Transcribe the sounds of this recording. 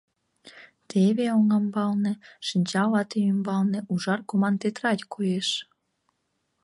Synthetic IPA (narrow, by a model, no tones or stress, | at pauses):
t̪ʰeβeoŋɑmbɑlnĕʃənʲt͡ɕɑlɑt̪eymbɑlnĕʔuʒɑrkomɑnt̪et̪rɑt̪ʲkʰojeʃ